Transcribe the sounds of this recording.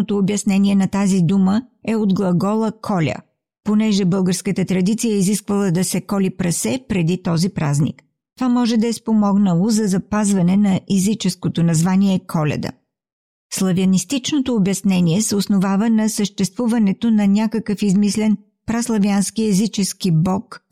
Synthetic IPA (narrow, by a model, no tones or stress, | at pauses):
ot̪oːbjɐsnɛniɛnɐt̪azid̪uməɛod̪ɡlˠɐɡɔlˠəkʰɔlʲə̰ | ponɛʒɛbɤlˠɡəɾskət̪ət̪ɾɐd̪it̪sijəiziskvəlˠəd̪ɐsɛkɔlipɾɐsɛpɾɛd̪it̪ɔzipɾaznḭk | t̪ovamɔʒɛd̪ɐɛspomɔɡnəlˠozɐzɐpazvɐnɛnɐʔɛzit͡ʃɛskot̪onɐzvaniɛkʰɔlʲɛ̰d̪ə̰ | slˠɐviɐnist̪it͡ʃnot̪oːbjɐsnɛniɛsɛosnovavənɐsəʃt̪ɛst̪vuvɐnɛt̪onɐnʲakəkəfizmislɛn | pɾaslˠɐvianskiɛzit͡ʃɛskibɔk